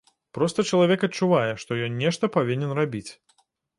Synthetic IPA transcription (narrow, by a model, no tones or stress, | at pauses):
pɾɔst̪ɐt͡ʃɐlˠavʲɛkɐt̪t͡ʂuvajɛʂt̪ɔjɔnnʲːɛʂt̪ɐpavʲinʲɛnrabʲit͡sʲ